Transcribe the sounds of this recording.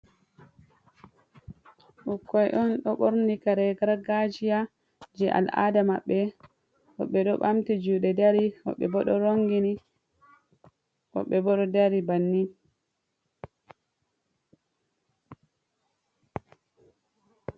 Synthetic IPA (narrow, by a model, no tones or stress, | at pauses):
ʔukːɔjʔɔnɗɔɓoɾnikaɾɛɡaɾɡad͡ʒija | d͡ʒɛʔa̰lʔa̰damaɓːɛ | wɔ̰ɓːɛɗɔɓamtid͡ʒuːɗɛdaɾiwɔ̰ɓːɛ̰bɔɗɔɾoŋɡini | wɔ̰ɓːɛbɔɗɔdaɾibanːi